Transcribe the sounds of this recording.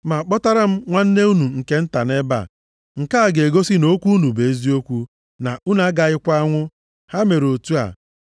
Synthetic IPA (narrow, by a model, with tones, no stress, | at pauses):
ma˨k͡pɔ˦ta˦ɾa˦m̩˦ŋʷa˦n̩˦ne˦u˦nu˨ŋ̩˨ke˦n̩˦ta˨ne˦ba̰˨ | ŋ̩˨ka˦a˦˨ɡe˨ɡo˦si˦no˦kʷu˦u˦nu˨be˨˦zi˦o˦kʷu˦ | na˨u˦na˦ɡa˨ɪ˦kʷa˦ŋʷʊ˦ | ha˦me˨ɾo˨tu˦a̰˨